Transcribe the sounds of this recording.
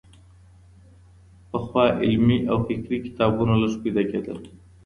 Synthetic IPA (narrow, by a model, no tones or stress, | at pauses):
pəxwɑːʔɪlmiʔawfɪkɾiki̥t̪ɑːbunalasu̥pid̪akeːd̪əl